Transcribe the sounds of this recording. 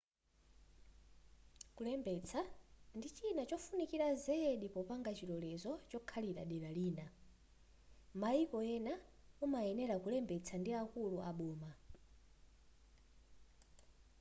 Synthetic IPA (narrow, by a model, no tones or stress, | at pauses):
kulɛmbɛt͡sʰandit͡ʃinat͡ʃɔfunikiɾazɛɗipɔpaŋɡat͡ʃiɾɔlɛzɔt͡ʃɔkʰaliɗa̰ɗɛɾaliːna | maikɔjɛnaumajɛnɛɾakulɛmbɛt͡sʰandiakuluʔaɓɔːma